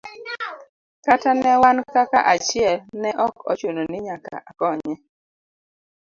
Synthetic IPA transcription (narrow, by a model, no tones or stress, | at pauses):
katanɛwankakaʔat͡ʃɪɛlnɛʔɔkɔ̰t͡ʃononɪɲaka̰ʔakɔɲɛ